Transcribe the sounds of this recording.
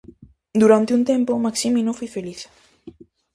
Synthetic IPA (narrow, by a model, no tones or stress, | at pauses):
d̪uɾant̪ɪunt̪ẽmpomaksimĩnõfojfeliθ